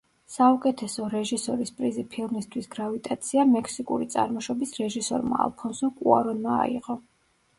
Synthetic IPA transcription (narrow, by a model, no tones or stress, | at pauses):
saukʼɛt̪ʰɛsɔɾɛʒisɔɾispʼɾizipʰilˠmist̪ʰwisɡɾavit̪ʼat̪sʰiamɛkʰsikʼṵɾit̪sʼa̰ɾmɔʃɔbisɾɛʒisɔ̰ɾma̰a̰lˠpʰɔnsukʼua̰ɾɔnma̰ːiʁʼɔ